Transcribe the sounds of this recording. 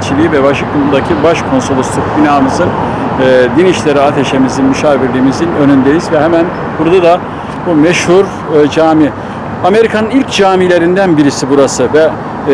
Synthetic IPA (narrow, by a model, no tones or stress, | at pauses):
t͡ʃʰilʲiːivɛβaʃɯkumud̪acʰibaʃkʰo̞nso̞lˠuslˠuk̚binaːmɯzɯnː | d̪iniʃlʲe̞ɾiat̪ʰe̞ʃe̞mizinmyʃaːviɾlʲiːmizinø̞nynd̪ejizvɛɦɛmæn | buɾd̪ad̪a | bumɛʃhuɾ | d͡ʒaːmi | ame̞ɾikʰanɯnilʲcd͡ʒaːmilʲe̞ɾind̪ænbiɾisibuɾasɯvɛ